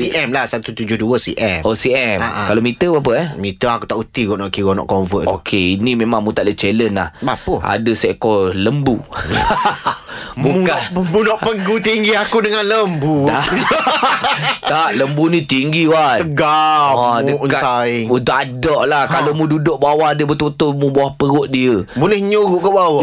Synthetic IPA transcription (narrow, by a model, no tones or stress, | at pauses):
siʔɛmlahsat̪ut̪ud͡ʒʊhduəsḭʔɛmosiʔɛmakalomit̪əbap̬əɛmit̪əakut̪aʔut̪iɡɔʔnɔʔkiɣɔnɔ̰ʔkɔnvəʔo̰kʰeinimemaŋmũt̪aʔlət͡ʃelənla̰hbapua̰dəsɛkɔləmbu | bukapəmbunɔʔpəɡut̪iŋɡiakudəŋanləmbua | t̪aʔləmbunĩt̪iŋɡiwat̪əɡa | dənkaaiunt̪ʊʔkadɔʔlahkalomũdudʊʔbawahadəbət̪ot̪omubawahpəɣʊʔ̚diəbolɛhɲoɣuʔkobawə